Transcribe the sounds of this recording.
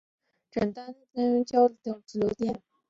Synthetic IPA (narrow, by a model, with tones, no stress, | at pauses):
ʈ͡ʂə˨˩nt̪a˥n˥t̪a˥nɥɛ˧˥nt͡ɕjɑ˥ʊɾi˨˩t̪ɤ˧˥ŋʈ͡ʂ̩˧˥lo˧˥t̪jɛ˥˩n